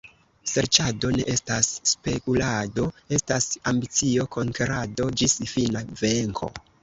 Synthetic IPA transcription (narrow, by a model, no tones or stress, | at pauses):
seɾt͡ʃado̞ne̞̰ʔe̞stasːpe̞kulado̞e̞stasambit͡sio̞ko̞ŋkeɾado̞d͡ʒisfinave̞ŋkʰo̞̰